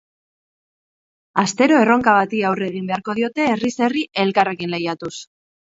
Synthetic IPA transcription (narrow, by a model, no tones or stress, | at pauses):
ast̪e̞ɾo̞e̞ro̞ŋkaβat̪iawre̞ɣ̞imbe̞aɾko̞ð̞io̞t̪e̞ːrise̞riʔe̞lkare̞kinle̞jat̪us